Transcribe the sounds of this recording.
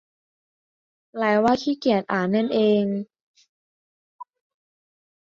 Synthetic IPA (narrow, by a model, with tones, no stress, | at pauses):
laː˨˦jwaː˧˩t̪ʰiː˥˩ki˨˩ət̪̚ʔaː˨˩˦na˧˥˨nʔeː˧ŋ